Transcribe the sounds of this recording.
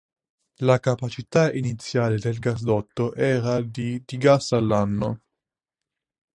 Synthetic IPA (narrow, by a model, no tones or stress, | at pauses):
lakapat͡ʃit̪ainit̪sːjaːled̪elɡas̬d̪ɔt̪ːoʔɛːɾad̪id̪̥iɡasalːanːo